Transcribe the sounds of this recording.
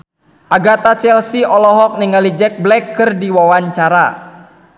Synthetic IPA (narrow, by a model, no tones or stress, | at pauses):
ʔaɡat̪at͡ʃɛlsiɔlɔɦɔk̚niŋalid͡ʒɛk̚blɛkːɨrdiwawaɲt͡ʃaɾa